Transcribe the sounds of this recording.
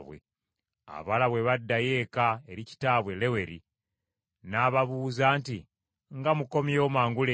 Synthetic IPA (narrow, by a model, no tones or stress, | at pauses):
βwḛ | a̰βalaβweβadːaje̞ːkae̞ɾici̥taːβwe̞le̞we̞ɾḭ | naːβaβuːzaːnti | ŋɡamuko̞mjo̞ːmaːŋɡule